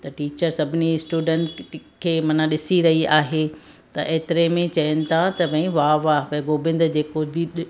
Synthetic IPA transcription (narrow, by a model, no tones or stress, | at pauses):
t̪ɐʈiːt͡ɕəɾsɐbʱɪnisʈuːɖə̃ɳʈʈkʰeːmɐnãɗɪsiɾɐɦiaːɦe | t̪ɐʔeːt̪ɪɾemẽt͡ɕɐjənɪ̆t̪ʰat̪ɐbʱɐ̃ĩʋaːʋaːbɐ̃ɡoːbɪ̃nd̪d͡ʑeːkobʱi